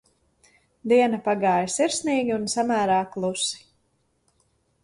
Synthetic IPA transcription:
d̪iɛnɐpaɡaːjsiɾsniːɡʲiunsamæːɾaːklˠusi̥

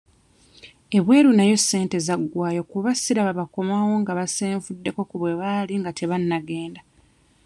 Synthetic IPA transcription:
e̞βwe̞ːɾunajo̞sːe̞ːnte̞zaɡːwaːjo̞kuβasiɾaβaβako̞maːwo̞ŋɡaβaseːɱvudːe̞ko̞kuβwe̞βaːliŋɡatʰe̞βanːaɡe̞ːnda

